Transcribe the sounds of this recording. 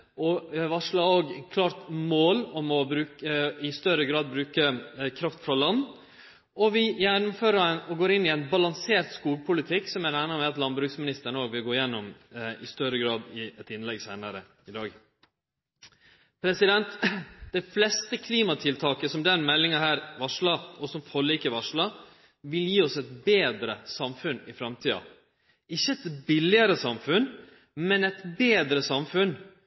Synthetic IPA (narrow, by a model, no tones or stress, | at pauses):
ɔʋɑʂlɑoːɡkʰlɑːɾt̪moːlɔmɔbɾʉːkəɪst̪œɾəɡɾɑːd̪̚bɾʉːkəkʰɾɑft̪fɾɑlɑnː | ɔʋɪjɛnʊmføːɾəɔɡoːɾɪnːɪɛɪnbɑlɑŋseːɾt̪skuːlpʰʊlɪt̪ʰɪksɔmæɾæɪnɑmɛɑt̪lɑnbɾʉːksmɪnɪst̪əɳəoːɡʋɪlɡoːɾɪjɛnːɔmɪst̪œɾəɡɾɑːd̪ɪɛt̪ɪnlɛɡsæɪnəɾə | ɪd̪ɑːɡ | pʰɾɛsɪd̪ɛnt̪d̪ɛɪflɛst̪əkʰliːmɑt̪ʰɪlt̪ʰɑːkəsɔmd̪ɛɾnmɛlːɪŋɑhæːɾʋɑʂɭɑɔsɔmfɔɭiːkəɾʋɑʂɭɑ | ʋɪljiːɔsɛt̪beːd̪ɾəsɑmfʉnɪfɾɑmt̪ʰiːɑ̰ | ɪçːəɛt̪bɪlɪəɾəsɑmfʉn | mɛnɛt̪beːd̪ɾəsɑmfʉn